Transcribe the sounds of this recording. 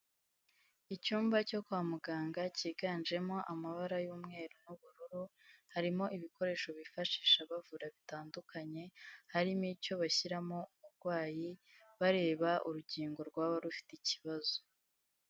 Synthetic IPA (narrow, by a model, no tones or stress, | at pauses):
icuːmbaco̞kwaːmuɡaːŋɡaciːɡand͡ʒe̞mo̞ʔamaβaɾajuːmŋe̞ːɾonuβuɾuɾuhaɾimo̞ʔiβiko̞ɾe̞ːʃo̞βifaʃiːʃaβavuɾaβitaːndukʰaɲe̞haɾimico̞βaçiɾamo̞umuɾɡ̥waːji | βaɾe̞ːβaʔuɾuɟiːŋɡo̞ɾɡwaːβaɾufi̥teciβazo̥